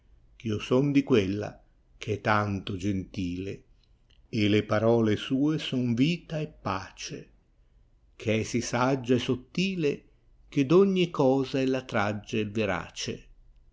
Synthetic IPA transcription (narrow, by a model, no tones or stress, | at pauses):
kiosɔnd̪ikwelːa̰ | k̟eɛt̪ːant̪ʊd͡ʒent̪iːle | elepaɾɔːlesuːesɔnviːt̪aɛpːaːt͡ʃe | kʰeɛsisad͡ʒːaesot̪ːiːle | k̟ed̪ɔɲːikɔːzaɛlːat̪ɾad͡ʒːaɛvːeɾa̰ːt͡ʃḛ